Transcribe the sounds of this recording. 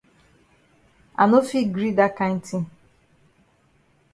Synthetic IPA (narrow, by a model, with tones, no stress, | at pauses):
a̰˨no˦fi˦ɡɾi˦da˦kã˦n̩˦tĩ˦